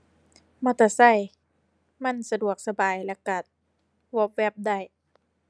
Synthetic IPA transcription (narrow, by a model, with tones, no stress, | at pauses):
ma˧˩t̪a˧˩sa˧˥˩j | ma˧˥˨nsa˧du˨˩ək̚sa˧baː˨˩jlɛ˧˥˩ka˨˩t̪̚ | wɔː˧˥p̚wɛ˧˥˩p̚da˧˥˩j